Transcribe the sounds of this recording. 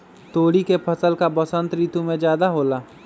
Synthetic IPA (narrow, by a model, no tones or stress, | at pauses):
t̪oːɽikepʰəsəlkabəsə̃nt̪ɾiːt̪umẽd͡ʒjaːd̪aɦoːlaː